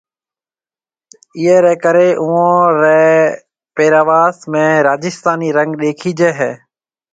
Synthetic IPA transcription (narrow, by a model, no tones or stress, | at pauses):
ɪːeːɾɛːkəɾeːʔʊõːɾɛ | peːɾaːʋaːsmẽːɾaːd͡ʒɪst̪aːniːɾə̃ŋɡɗeːkʰiːd͡ʒeːɦɛː